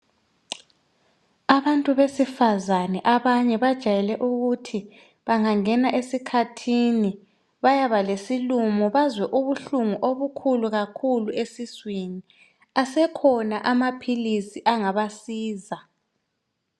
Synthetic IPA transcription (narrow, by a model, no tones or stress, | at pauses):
aβantʼuβesifazanɛʔaβaɲɛβad̥ʒ̥ʱajɛlɛʔuɣutʰi | βaŋaŋɛnaʔesikʰatʰini | βajaβalesilumɔβazwɛʔuβuɬuŋuʔoβukʰuluɣakʰuluesiswini | asɛkʰɔnaʔamapʰilisiʔaŋaβasiːza